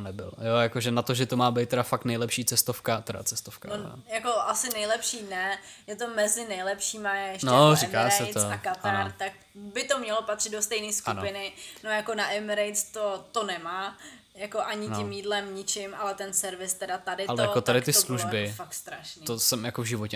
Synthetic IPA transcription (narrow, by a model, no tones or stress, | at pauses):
onɛbɪ̰ljojakoʒɛnat̪oʒɛt̪omaːbejt̪ːɛɾafak̚t̪nɛjlɛpʃiːt͡sɛst̪ofkat̪ɛɾa̰t͡sɛst̪ofkanojako̞ʔasɪnɛjlɛpʃiːnɛ | jɛt̪o̞mɛzɪnɛjlɛpʃiːmajɛɛʃnoɾɪkaːsɛjt̪oakat̪aanɾt̪ak̚ | bɪt̪o̞mɲɛlopat̪r̥ɪd̪̚dost̪ɛjniːskunpɪnɪnojako̞naʔɪmɾejt̪t͡st̪ot̪onɛmaː | jako̞ʔaɲɪɪmjiːdlɛmɲɪt͡ʃɪmʔalɛt̪ɛnsɛɾvɪst̪ɛdat̪adɪalɛjakot̪adɪt̪ɪsosluʒbɪfak̚t̪st̪ɾaʃnit̪osɛmjakovʒɪvocɛ